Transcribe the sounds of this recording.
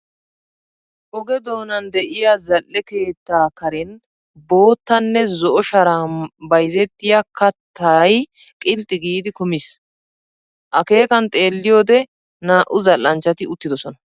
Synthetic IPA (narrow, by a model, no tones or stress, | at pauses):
ʔɔɡɛd̪o̞ːnɐnd̪ɛʔɪjazɐlːɛke̞ːt̪ːaːkɐɾɛn | bo̞ːt̪ːɐnːɛzɔʔɔʃɐɾaːnbɐjzɛt̪ːɪjakɐt̪ʰːɐj | kʼɪlt̪ʼːɪɡiːd̪ɪkʊmɪs | ʔɐke̞ːkɐnt̪ʼe̞ːlːɪjo̞ːd̪ɛ | naːʔʊzɐlːɐnt͡ʃːɐt̪ɪʊt̪ːɪd̪ɔsɔnɐ